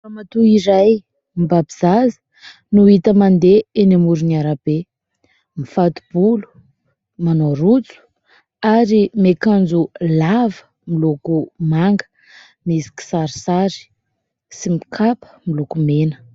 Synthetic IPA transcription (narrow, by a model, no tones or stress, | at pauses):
famat̪uiɾaj | mibabiz̥azə̥ | nuit̪əmand̪eenamuɾuniaɾab̥e | mifat̪u̥b̥ulu̥ | manoɾut͡su̥ | aɾimekand͡zulavə̥ | milokumaŋɡə̥ | mizi̥ki̥saɾisaɾi̥ | simikʰapə̥milukumenə̥